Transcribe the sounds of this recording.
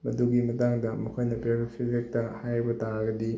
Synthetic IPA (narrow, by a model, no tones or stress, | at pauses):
mɐduɡimɐtaŋdɐmɐkʰojnɐpeɾisʰizek̚tɐhajbɐtaɡɐdi